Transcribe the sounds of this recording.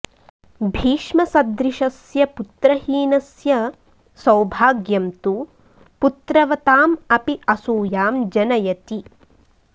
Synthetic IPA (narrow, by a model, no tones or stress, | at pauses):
bʱiːʃmɐsɐd̪ɾiʃɐsjɐput̪ɾɐɦiːnɐsjɐ | sɐwbʱaːɡjɐmt̪u | put̪ɾɐʋɐt̪aːmɐpiʔɐsuːjaːmd͡ʒɐnɐjɐt̪i